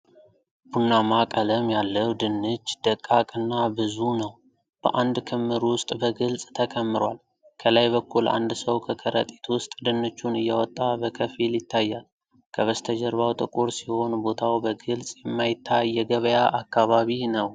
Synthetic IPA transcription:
b̥unːamakʼələmjalːəwd̪ɨnːɨt͡ʃːd̪̥əkʼːakʼɨnːabɨzunəw | b̥ə̰ʔand̪kʰəmːɨɾwʊst̪ʼbəɡɨlsʼt̪ʰəkʰəmːɨɾal | kʰəlajbəkːulʔa̰nd̪səwkʰəkʰəɾə̰t̪ʼi̥t̪wʊst̪ʼd̪ɨnːɨt͡ʃːunɨjːɛwɔt̪ʼːabəkʰəfiljɪt̪ʰːajːal | kʰəβəst̪ʰəd͡ʒəɾβawt̪ʼɨkʼuɾsiho̞nbo̞t̪ʰawbəɡɨlsʼjɛmːajɪt̪ʰːajːɛɡəβəjaʔakːaβaβinəw

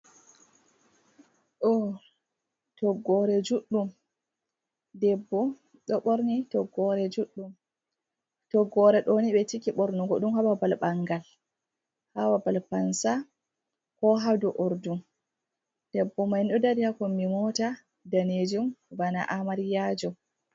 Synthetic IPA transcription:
ʔo | tɔɡɔɾɛd͡ʒuɗːum | dɛbːɔ | ɗɔɓɔɾnitɔɡɔɾɛd͡ʒuɗːum | tɔɡɔɾɛɗoniɓɛtikiɓɔɾnɔɡɔɗumhawabalɓaŋɡal | hawabalpansa | kɔɦadɔʔɔɾdum | d̥ɛbːɔmajnɗɔdadihakɔmimɔta | daned͡ʒumbana̰ʔamaɾijaːd͡ʒɔ

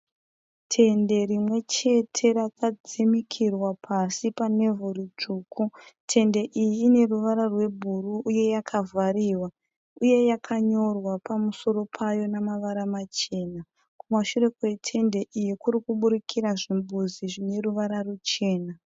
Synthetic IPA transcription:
tʰe̞nde̞ɾimwe̞t͡ʃe̞tʰe̞rakad͡zimikʰirwapʰasipane̞vorit͡ʂuːkʰutʰe̞nde̞ʔijiːne̞ruʋaɾarwe̞bʱuruʔːje̞jakʰavariwa | uje̞jakʰaɲo̞rwapamuso̞ɾo̞pʰajo̞namaʋaɾamat͡ʃe̞ːna | kumaʃure̞kwe̞tʰe̞nde̞ʔijikuɾikuɓuɾikʰiɾaʐimbuziʐine̞ruʋaɾarut͡ʃe̞ːna

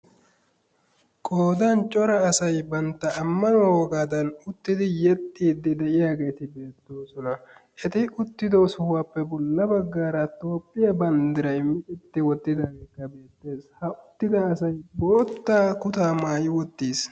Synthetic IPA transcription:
kʼoːd̪ɐnt͡ʃʼɔɾɐːsɐjbɐnt̪ːɐːmːɐnɔwɔɡaːd̪ɐnʊt̪ːɪd̪ɪjɛt̪ʼːiːd̪ːɪd̪ɛʔɪjaːɡe̞ːt̪ɪbe̞ːt̪ːoːsɔnɐʔɛt̪ɪʊt̪ːɪd̪oːsʊhʊwaːpːɛbɔlːɐbɐɡːaːɾɐt̪o̞ːpʼːɪjɐbɐnd̪ɪɾɐjmɪt͡ʃʼɪt̪ːɪwɔt̪ːɪd̪aːɡe̞ːkːɐbe̞ːt̪ːe̞ːshɐʔʊt̪ːɪd̪ɐːsɐjboːt̪ːaːkʊt̪aːmaːjɪwɔt̪ːiːs

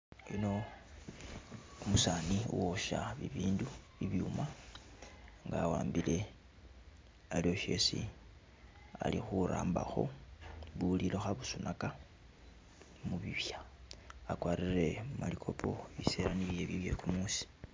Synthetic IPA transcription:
ino̞ | umusaːniṵwoʃaβiβiːndu | iβiuma | ŋɡaːwaːmbile̞ | alio̞ʃe̞sḭ | a̰lixuɾaːmbaxo̞̰βuliloxaβusunaka | muβiβjaakwaːɾire̞umalikʰo̞pʰo̞iseɾaniljeβjiβje̞̰kumusi̥

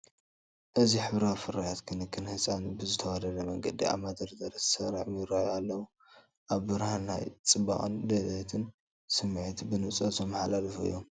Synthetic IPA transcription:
ʔɨziħɨβɾawfɨɾajat̪kʰɨnɨkʰːɨnhɨsʼanbɨzɨt̪ʰɐwad̪ɐlɐmɐŋɡɐd̪ia̰βmad̪ɐɾd̪ɐɾɐssɐɾaħjɪɾajalːɐwu | ʔaβːɨɾhanːa̰jt͡sʼɨba̰χʼɨnd̪ɐd̪ɐt̪ʰɨn | sɨmʕit̪bɨnɨt͡sʼozʰomːɐħlalɨfuḭjːo̞m

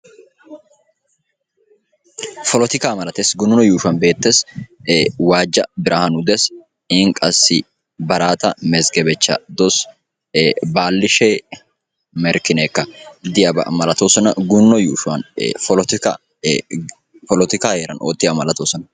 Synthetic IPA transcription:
fɔlɔt̪ɪkaːmɐlɐt̪eːsɡʊnːɔjuːʃʊwɐnbeːt̪ːeːs | waːd͡ʒːɐbɪɾʔɐhɐnʊd̪ɛs | ɪŋkʼɐsːɪ | bɐɾaːt̪ɐmɛzɡɛbɛt͡ʃːɐ̰d̪ɔs | baːlːɪʃeː | mɛɾkɪneːkːɐd̪ɪjɐbɐ̰mɐlɐt̪oːsɔnɐɡʊnːɔjuːʃʊwɐ̰nfɔlɔt̪ɪkɐ̰ | fɔlɔt̪ɪkaːheːɾɐnʔo̰ːt̪ːɪɐmɐlɐt̪oːsɔnɐ

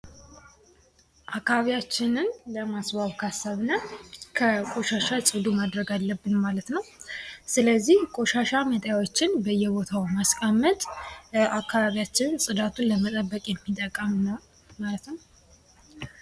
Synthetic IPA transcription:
ʔakːaβaβijat͡ʃːɪnɨnləmasbaβkʰasːaβnəkʰəkʼo̞ʃaʃat͡ʃʼɨd̪umad̪ɾəɡalːəbːɨnmalət̪nəwsɨləzːihkʼo̞ʃaʃamət̪ʼjawot͡ʃːɪnbəjːɛbo̞t̪ʰawmaskʼamːət̪ʼakʰːaβaβijat͡ʃːɪnnsʼɨd̪at̪ʰunləmət̪ʼəbːəkʼjɛmːit̪ʼːəkʼːəmnəw | malət̪nəw

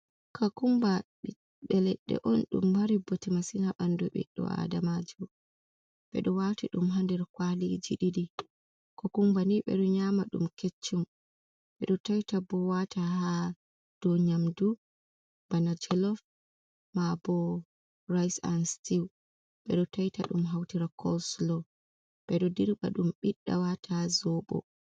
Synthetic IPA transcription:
kʰakumbaɗi | ɓɛlɛɗːɛ̰ʔɔnɗṵmbaɾibɔtimasinaɓandɔɓɛ̰ɗɔ̰a̰damad͡ʒu | ɓɛ̰ɗɔwatiɗumɦandɛɾkwalid͡ʒiɗidi | kɔkumbaniɓɛ̰ɗɔɲamaɗṵmket͡ʃːum | ɓɛɗɔtajtabɔwatʰaha | d̥ɔɲamdu | b̥anad͡ʒɛlɔf | mabɔ | rajsa̰nstiw | ɓɛ̰ɗɔtajtaɗumɦawtiɾakʰɔslɔ | ɓɛɗɔdiɾɓa̰ɗumɓiɗːa̰watʰazɔɓɔ̰

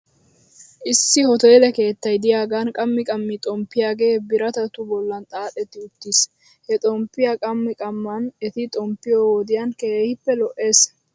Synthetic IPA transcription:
ʔɪsːɪhɔt̪ɔjlɛke̞ːt̪ːɐjd̪ɪjaːɡankʼɐmːɪkʼɐmːɪt̪ʼɔmpːɪjaːɡe̞ːbɪɾɐt̪ɐt̪ʊbɔlːɐnt̪ʼaːt̪ʼɛt̪ːɪʊt̪ːis | hɛt̪ʼɔmpːɪjakʼɐmːɪkʼɐmːɐnɛt̪ɪt̪ʼɔmpːɪjoːwod̪ɪjankeːhɪpːɛlɔʔe̞ːs

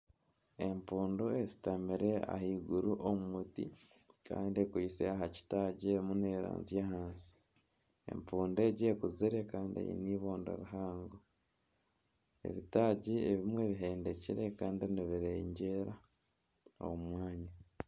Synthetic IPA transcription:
e̞mpuːndoezi̥tamiɾe̞a̰hiːɡuɾuʔomumutḭ | ka̰ːndiekuisḛaɦaci̥taɟimuneːɾa̰ːnzijaɦaːnsi̥ | e̞̰mpuːnde̞ːɟekuziɾekaːndiḛjḭniːβoːndo̰ɾuɦaːŋɡo | ḛβitaːɟieβimwe̞βiɦe̞ːndeciɾekaːndiniβiɾeɲɟe̞ɾa | o̰umwaːɲa

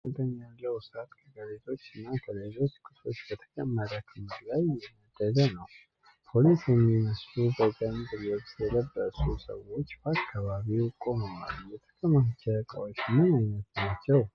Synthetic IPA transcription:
əd̪əɲːalːəwsat̪kʰəɡəlezo̞t͡ʃːɨnːakʰəlezo̞t͡ʃːkʰʼɨso̞t͡ʃːb̥ət̪ʰə̥kʼəmːəɾəkʰɨmd̪lajɛməd̪ːəd̪ənəw | pʰo̞lisjɛmːiməslubəzʼənd̪ɨɾiwot̪ːjɛləbːəsusə̰wo̞t͡ʃːbəakʰːaβaβiwkʼo̞məma̰lujɛt̪ʰə̥kʼəmast͡ʃːakʼəwo̞t͡ʃːmənajnət̪nat͡ʃːɛw

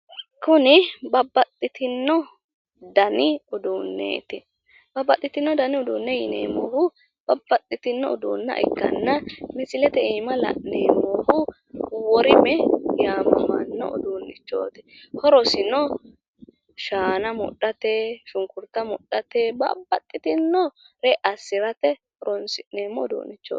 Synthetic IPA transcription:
kʊnɪbɐbːɐt̪ʼːɪt̪ɪnːɔ | d̪ɐnɪʊd̪uːnːḛːt̪ɪ | bɐbːɐt̪ʼːɪt̪ɪnːɔd̪ɐnɪʊd̪uːnːɛjɪnḛːmoːhʊ | b̥ɐbːɐt̪ʼːɪt̪ɪnːɔ̰ɔd̪uːnːɐ̰ʔɛ̰kːɐ̰nːɐmɪsʼɪlɛt̪ɛiːmɐlɐ̰ʔneːmoːhʊ | wɔɾɪmɛjaːmːɐ̰nːɔ̰ɔ̰d̪uːnːɪt͡ʃːo̰ːt̪ɪ̥ | hɔɾɔsɪnɔ | ʃaːnɐmʊ̰ɗɐt̪eːʃʊŋkʊɾt̪ɐmʊɗːɐt̪eːbɐ̰bːɐt̪ʼːɪt̪ɪnːɔ | ɾɛʔɐsːɪɾɐt̪ɛhɔɾɔnsɪneːmːɔɔd̪ṵːnːɪt͡ʃːo̰ː

